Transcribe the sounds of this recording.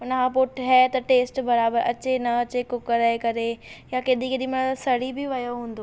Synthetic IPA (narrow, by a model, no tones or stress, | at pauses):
ʊnəkʰãːp̬oːʈɦɛːt̪ɐʈeːsʈbɐɾaːbəɾʔɐt͡ɕenɐɐt͡ɕekʊkəɾekɐɾejakeːɗ̪ikeɗ̪imɐsɐɽibɪʋɐjoɦũːn̆d̪oː